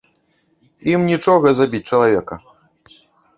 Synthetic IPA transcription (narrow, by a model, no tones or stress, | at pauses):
imnʲit͡ʂɔɣɐzabʲit͡sʲt͡ʂɐlˠavʲɛkɐ